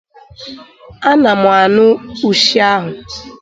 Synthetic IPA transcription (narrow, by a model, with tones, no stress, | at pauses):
a˦na˨mʊ˨a˨nʊ˦u˨ʃi˦a˦ɦʊ˨